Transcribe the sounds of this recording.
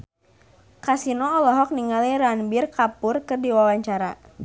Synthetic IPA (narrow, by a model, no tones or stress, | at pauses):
kasinɔːlɔɦɔk̚niŋaliranbirkapʊrkərdiwawaɲt͡ʃaɾa